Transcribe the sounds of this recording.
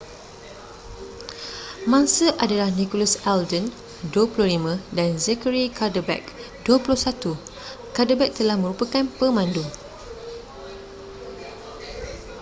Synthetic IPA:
mãŋsəʔadalahnikolasɛldən | duəpulʊhlimãdanzɛkəɹikʰardəbɛ̰k̚ | duəpulʊhsat̪u | kardəbɛk̚t̪əlahmə̃ɾupakanpəmãndu

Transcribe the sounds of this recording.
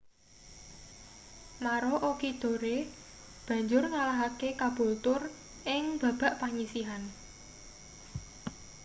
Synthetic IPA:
maɾoʔokid̪̥o̤ɾe | b̥ä̤ɲd͡ʒʊrŋalaɦakekab̥o̤lt̪ʊr | ʔɪŋb̥ä̤b̥a̤ʔpaɲisiɦan

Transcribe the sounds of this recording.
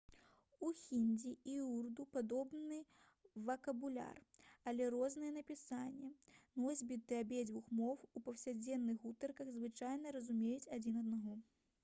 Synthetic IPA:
uxʲinʲd͡zʲiiurd̪upad̪ɔbnɨ | vɐkɐbulʲa̰rɐlʲɛɾɔznɨjɛnɐpʲisanʲːɛnɔzʲbʲit̪ɨɐbʲɛd͡zʲvuxmɔwupɐwsʲad͡zʲɛnːɨɣut̪ɐrkɐɣzvɨt͡ʂajnɐɾɐzumʲejut͡sʲad͡zʲinɐd̪naɣɔ

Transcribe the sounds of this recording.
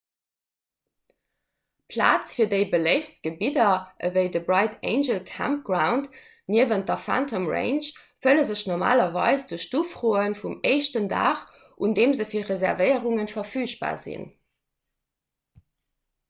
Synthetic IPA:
pʰla̰ːt͡sfiːɐdəɪbəleɪfst̚ɡ̥əbidɐʔəvəɪdəbʁɑɪtʰeɪnʒəlkʰa̰mp̚ɡ̥ʁaʊnt | niəvənt̚dɐfæ̰ntʰəmʁḛɪnʃ | fələzəɕnɔma̰ːlɐvɑ̰ɪsd̥əʃtufʁoːənfumeɪʃtənda̰ːχ | ʔundeːmzəfiːɐʁezɛʁvəɪəʁuŋənfɐfyːʃb̥a̰ːzḭn

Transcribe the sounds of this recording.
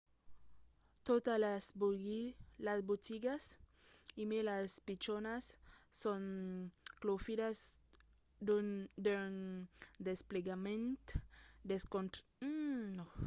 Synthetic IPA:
t̪ot̪alsb | lazbot̪iɡas | imelaspit͡ʃonasːon | klofiɾas | d̪ud̪end̪espleɡamẽnt̪d̪eskont̪̩ | o

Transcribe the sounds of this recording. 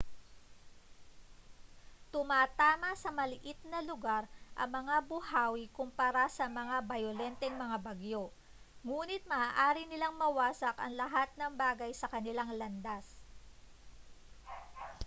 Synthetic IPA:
t̪ʊmaːt̪aːmɐsɐmɐlɪʔɪt̪̚nɐlʊɡaɾʔɐ̰ŋmɐŋabʊhaːwikʊmpaɐɾasɐmɐŋabɐjolɛnt̪ɛŋmɐŋabɐɡjo | ŋuːnɪt̪̚mɐaːʔaːɾɪnɪlaŋmɐwaːsɐkɐ̰ŋlɐɦat̪̚nɐŋbaːɡɐjsɐkɐnɪlaŋlɐnd̪as

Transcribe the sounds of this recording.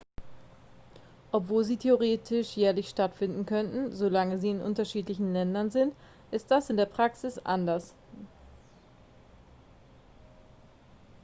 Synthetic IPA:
ʔɔpv̥oːlziːtʰeoʁ̞eːtʰɪʃjɛːɐlɪçʃtatfɪndn̩kʰœntn̩zolaŋəziːɪnʔʊ̰ntɐʃiːtlɪçn̩lɛndɐnzɪnt | ʔɪst̚d̥asɪndeːɐpʁ̥aksɪsʔa̰ndɐs

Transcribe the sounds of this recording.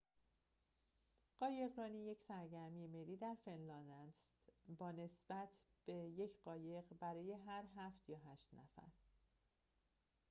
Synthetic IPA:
ɢ̥ɒːje̞ɣɾɒːniːje̞csæɾɟæɾmijemeliːd̪æɾfe̞nlɒːnd̪æst̪bɒːne̞sb̥æt̪ʰ | b̥e̞je̞cʰɢɒːje̞ɢbæɾɒːje̞ɦæɾɦæft̪jɒːɦæːʃt̪næfæ̰ɾ

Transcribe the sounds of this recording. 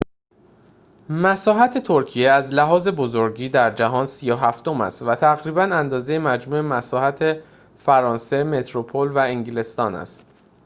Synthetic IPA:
mæsɒːɦæt̪ʰe̞t̪ʰoɾcʰijeæzlæɦɒːze̞bo̞zo̞ɾɟiːd̪æɾd͡ʒæɦɒːnsiːjoɦæft̪o̞mæ̰st̪væt̪ʰæɣɾiːbænænd̪ɒːzejemæd͡ʒmuːemæsɒːhæt̪ʰe | fæɾɒːnse̞me̞t̪ʰɾopʰolvæeŋɟile̞st̪ɒːnæ̰st̪

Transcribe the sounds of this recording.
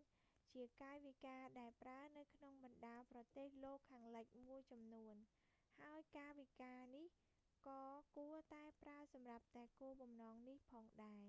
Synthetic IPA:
t͡ɕiəkaːjʋikaːɗaɛlpraənɨwkʰnoŋɓɑnɗaːprɑt̪eːhloːkʰːaːŋləc̚muəjt͡ɕɑmnuən | haəjkaːʋikaːnih | kɑːkuət̪aɛpraəsɑmrap̚t̪aɛkuːəɓɑmnɑːŋnihpʰɑːŋɗaɛ

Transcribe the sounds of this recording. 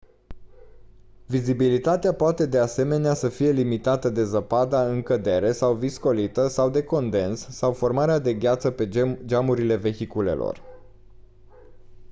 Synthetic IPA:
vizibilit̪at̪eapoat̪e̞d̪ease̞me̞neasəfije̞limit̪at̪əd̪e̞zəpad̪aɨŋkəd̪e̞ɾe̞sawvisko̞lit̪əsawd̪e̞ko̞nd̪e̞nsːawfo̞rmaɾead̪e̞ɡʲat̪səped͡ʒamuɾile̞ve̞çikule̞̰lo̰r

